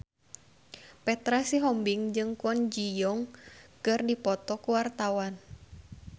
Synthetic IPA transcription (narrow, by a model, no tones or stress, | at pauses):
pɛt̪ɾasiɦɔmbiŋd͡ʒɨŋkuɔnd͡ʒijɔŋkɨrdipɔt̪ɔkuwart̪awan